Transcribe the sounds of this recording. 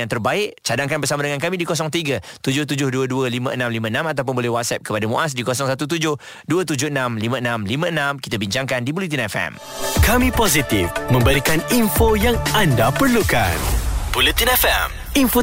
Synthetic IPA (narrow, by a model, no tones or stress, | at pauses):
aŋt̪ərbaɪʔt͡ʃadaŋkanbərsamadəŋankamĩdikos̬ɔŋt̪iɡa | t̪ud͡ʒʊht̪̬ud͡ʒʊhduəduəlimãʔənãmlimãənãmat̪awp̬ʊnbolɛhwat̪̚sɛp̚kəpadamṵ̃ʔas̬dikosɔŋsat̪ut̪̬ud͡ʒʊh | duət̪ud͡ʒʊhənãmlimãənãmlimə̃ənãmki̥t̪abiɲt͡ʃaŋkandibulit̪̬inɛfɛ̰m | kamĩpozit̪ifmə̃mbəɾikaninfojaŋandapərluka̰nb̥ulit̪inɛfɛm | info